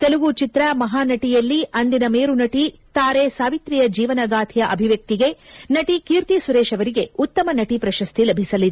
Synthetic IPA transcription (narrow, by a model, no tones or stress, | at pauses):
t̪eluʋut͡ʃit̪ɾɐmɐɦaːnɐʈijɐlːiɐnd̪inɐmeːɾunɐʈi | t̪aːɾesaːʋit̪ɾijɐd͡ʒiːʋɐnɐɡaːt̪ʰijɐʔɐbʱiʋjɐk̚t̪iɡe̞nɐʈikiːɾt̪isuɾeːʃɐʋɐɾiɡe̞ut̪ːɐmɐnɐʈipɾɐʃɐst̪ilɐbʱisɐlːid̪